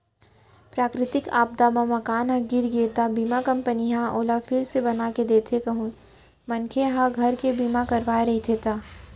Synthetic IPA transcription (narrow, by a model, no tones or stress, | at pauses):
pɾaːkɾɪt̪ɪka̰ːb̚d̪amamɐkaːnɦãɡɪɾɡeːt̪abiːmakɐ̃mpəniɦãʔoːlafʰɪlsebɐnaːked̪eːt̪ʰekɐɦũ | mɐnkʰeɦãɡʱɐɾkebiːmakɐɾʋaːeɾɐɦit̪ʰet̪aː